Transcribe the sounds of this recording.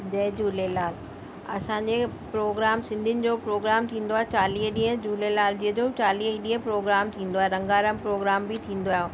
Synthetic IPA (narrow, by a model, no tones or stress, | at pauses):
d͡ʑɐːd͡ʑuːlelaːl | ɐ̰sãɲd͡ʑe | pɾoːɡɾaːmsɪ̃nd̪ʱɪnɪ̆d͡ʑoːpɾoːɡɾaːmt̪ʰĩːnd̪oaːɦet͡ɕaːliːɦɗĩːɦə̃d͡ʑuːlelaːld͡ʑiːɦəd͡ʑoːt͡ɕaːliːɦɗĩːɦə̃pɾoːɡɾaːmt̪ʰĩːnd̪oaːɦeɾɐ̃ŋɡaːɾəmpɾoːɡɾaːmbit̪ʰĩːn̆d̪oaːɦjoː